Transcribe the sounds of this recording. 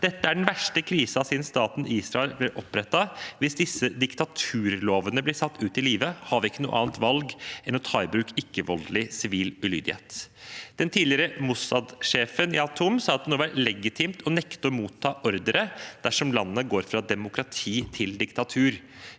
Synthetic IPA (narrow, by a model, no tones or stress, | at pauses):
d̪̥ɛt̪ːəæɖɛnʋæʂʈəkʰɾiːsɑsiːnst̪ɑːt̪n̩ʔiːsɾɑɛlb̪ɪɾʔɔpːɾɛt̪ːɑʋɪsd̪ɪsːəd̪ɪkt̪ɑt̪ʰʉːɾloːʋənəblɪsɑt̪ːʉːt̪ɪliːʋəhɑːʋɪkːənṵːʔɑːnt̪ʋɑlɡɛnɔt̪ʰɑːɪbɾʉːkɪkːəʋɔllɪsɪʋiːlʉly̰ːd̪ɪhḛːt̪d̪̥ɛnt̪ʰiːlɪəɾəmʊsɑd̪ʂeːfənɪɑt̪ʰʊmsɑːɑt̪̚d̪ɛnoːʋæɾlɛɡɪt̪ʰɪmt̪ʰɔnɛkt̪əɔmuːt̪ʰːɑːʔɔɾd̪əɾəd̪̥æʂɔmlɑnːəɡoːɾfɾɑd̪ɛmʊkʰɾɑt̪ʰiːt̪ʰɪld̪ɪkt̪ɑt̪ʰʉːɾ